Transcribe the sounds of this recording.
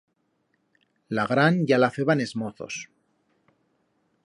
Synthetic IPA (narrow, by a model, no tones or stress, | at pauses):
laɣɾanɟ͡ʝalafe̞βane̞zmoθo̞̰s